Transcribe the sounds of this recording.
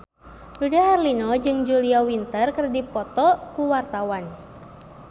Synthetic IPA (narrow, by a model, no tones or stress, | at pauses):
dudaɦarlinɔd͡ʒɨŋd͡ʒuliawint̪ərkərdipɔt̪ɔkuwart̪awan